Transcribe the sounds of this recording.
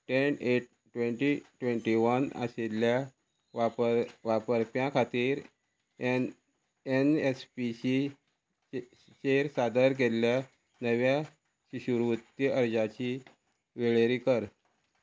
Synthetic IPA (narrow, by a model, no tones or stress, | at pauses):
ʈeneʈ̚ | ʈʋẽɳʈiʈʋeɳʈiʋənə̰selja | aəʋapəɾpjãkʰat̪iːɾ | enespiɕi | t͡ɕeɾsad̪əɾɡʱelːja | nəʋja | ɕiɕuɾʋət̪ːjiʔəɾd͡zat͡ɕi | ʋeɭeɾikəɾ